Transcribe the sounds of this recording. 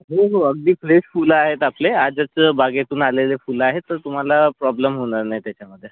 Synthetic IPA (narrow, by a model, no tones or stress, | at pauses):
ɦoɦoəɡd̪iːflesfulaɦet̪aplead͡zət͡səbaɡet̪uːnalelefulaɦet̪ːəɾt̪um̤alapɾɔbləmɦoɳaɾnajt̪jat͡ɕaməd̪ʱːje